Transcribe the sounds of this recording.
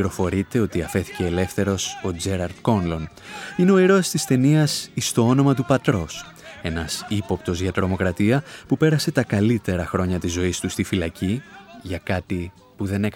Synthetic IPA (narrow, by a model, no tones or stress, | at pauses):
iɾo̞fo̞ɾit̪e̞o̞t̪iɐfe̞θi̥ce̞ːle̞fθe̞ɾo̞so̞d͡ze̞ɾɐɾd̪̥ko̞nlo̞n | ine̞o̞iɾo̞st̪ist̪e̞niɐsist̪o̞o̞no̞mɐt̪upɐt̪ɾo̞s | e̞nɐsipo̞pt̪o̞zʝɐt̪ɾo̞mo̞kɾɐt̪iɐpupe̞ɾɐse̞t̪ɐkɐlit̪e̞ɾɐxɾo̞ɲɐt̪izo̞ist̪ust̪ifilɐciʝɐkɐt̪i | puðe̞ne̞k